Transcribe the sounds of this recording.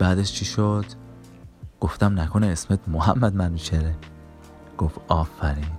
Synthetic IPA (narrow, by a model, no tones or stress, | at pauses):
b̥æːd̪eʃt͡ʃʰiʃod̪̥ | ɡ̥oft̪æmnækʰoneːsmet̪mohæmːæd̪mænit͡ʃʰeɾe | ɡ̥ofɒːfæɾiːn